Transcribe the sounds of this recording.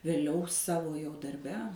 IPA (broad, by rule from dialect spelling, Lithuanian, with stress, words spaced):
ʋʲeːˈlʲɛʊ ˈsɑːʋoː jɛʊ dɐrʲˈbʲɛ